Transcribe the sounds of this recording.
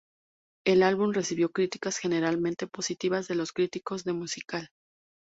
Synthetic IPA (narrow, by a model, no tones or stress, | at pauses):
e̞lalβumre̞siβjo̞kɾit̪i̥kasxe̞ne̞ɾalmẽnt̪e̞po̞sit̪iβazðe̞lo̞skɾit̪iko̞zðe̞musikal